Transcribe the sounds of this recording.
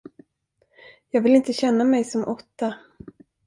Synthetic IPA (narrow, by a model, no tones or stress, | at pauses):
jɑːɡvɪlɪnt̪əɕɛnːamɛjsɔmʔɔt̪ːa